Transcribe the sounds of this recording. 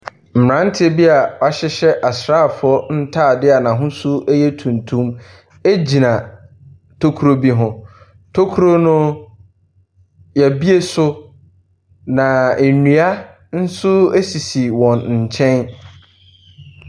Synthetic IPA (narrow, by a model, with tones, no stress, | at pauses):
m̩˨m˨ɾã˦n˦tʰɪ˦e˦bi˦a˨ɔ˨a˨ɕɪ˦ɕɛ˦ʔa˨sɾaː˦˨fʊ˨ɔ˦n̩˦tʰaː˦˨dɪ˦a˨nã˨ɦʊ̃˦sʊ˦ɛ˦jɛ˦tʰũ˨ntʰũ˦m | e˦d͡ʑi˨nã˨ | tʰo˦kʰu˦ɾo˦bi˦ɦʊ̃˦ | tʰo˦kʰu˦ɾo˦nʊ̃˦ | jɛ˨bi˦e˦sʊ˦ | nã˨e˨nĩ˨a˦ | n̩˦sʊ˦e˦si˨si˨wɔ̃˨nɲ̩˨t͡ɕʰɛ̃˦n